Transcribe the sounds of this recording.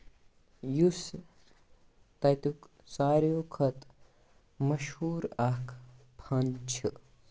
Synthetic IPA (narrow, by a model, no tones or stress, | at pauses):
jus | t̪ɐt̪uk | saːɾjokʰɐt̪ | mɐʃhuːɾakʰ | pʰɐnt͡ʃʰɨ